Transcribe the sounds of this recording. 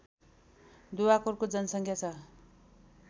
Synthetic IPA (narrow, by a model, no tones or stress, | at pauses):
d̪uwakorkod͡zʌnsʌŋkʰjat͡sʰʌ